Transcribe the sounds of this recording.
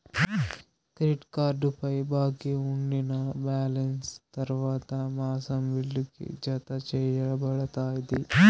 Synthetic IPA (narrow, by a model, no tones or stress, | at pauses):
kɾiʈkaːɾɖupɐjbaːkiuɳɖinɐbaːlɐnst̪ɐɾʋaːt̪ɐmaːsɐmʋilːukḭd͡ʒɐt̪ɐt͡ʃɛːjɐɭɐbɐɽɐt̪aːjɐd̪i